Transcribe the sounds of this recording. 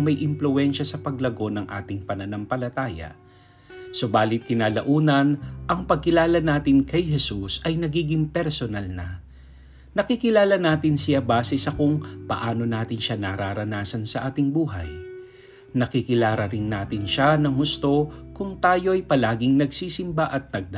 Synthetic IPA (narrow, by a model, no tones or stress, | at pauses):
ŋmɐjʔɪmplʊɛnʃɐsɐpɐɡlɐɡo̞nɐŋʔa̰ːt̪ɪŋpɐnɐnampɐlɐt̪aːjɐ̰ | so̞baːlɪt̪̚kɪnaːlɐʔuːnɐnʔɐŋpɐɡ̚kːɪlaːlɐnaːt̪ɪnkɐjɦɛsusʔɐjnɐɡiːɡɪŋpɛɾsonalnɐ | nɐkikɪlaːlɐnaːt̪ɪnsɪjabaːsɛsɐkʊŋpɐ̰ʔaːno̞naːt̪ɪnʃanaɾaɾɐnaːsɐnsɐʔaːt̪ɪŋbuːɦɐ̰j | nɐkikɪlaːɾɐɾɪnːaːt̪ɪnʃanɐŋhʊst̪o̞kʊŋt̪aːjo̞ʔɐjpɐlaːɡɪŋnɐɡsiːsɪmbaʔɐt̪̚nɐɡ̚d̪a